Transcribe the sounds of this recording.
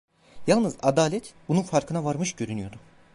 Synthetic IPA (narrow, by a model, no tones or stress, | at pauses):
jalˠnɯzad̪aːlʲɛt̪bununfaɾkʰɯnavaɾmɯʃɟø̞ɾynyjo̞d̪u